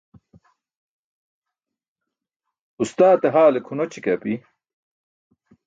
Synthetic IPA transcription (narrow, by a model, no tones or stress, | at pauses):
ust̪aːt̪eɦaːlekʰunot͡ɕʰikɐpi